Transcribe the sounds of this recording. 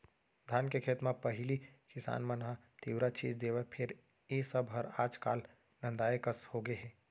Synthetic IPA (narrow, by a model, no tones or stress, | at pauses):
d̪ʱaːnkekʰeːt̪mãpɐɦɪlikɪsa̰ːnmãnɦãt̪iːwɾat͡ʃiːd͡ʒd̪eːʋapʰɪɾ | jeːsəbɦɐɾaːd͡ʒka̰ːl | nɐ̃nd̪aːekəshoːɡeɦɛ̃ː